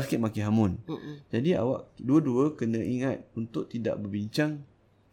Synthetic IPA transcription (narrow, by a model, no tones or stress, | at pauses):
skɪʔ̪̚makiɦamʊnd͡ʒadia̰wa̰ʔduəduəkənə̃ʔiŋat̪̚unt̪ʊʔ̚t̪ida̰ʔbərbiɲt͡ʃaŋ